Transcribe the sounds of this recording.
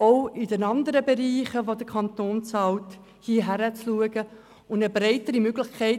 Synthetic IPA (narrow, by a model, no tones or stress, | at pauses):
oʊɪdɛnɑnd̪əɾəbeɾiːχəʋodəkʰɑnt̪oːnt͡sɑlt | hiːɦæɾət͡sluəɡə | ʊndəbɾɛɪtəɾimøɡlɪχkʰɛɪ